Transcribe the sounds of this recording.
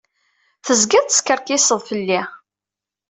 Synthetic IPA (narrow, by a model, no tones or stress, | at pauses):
θəzɡæðt̪ə̥skəɾˤkɪsəðˤfəlːi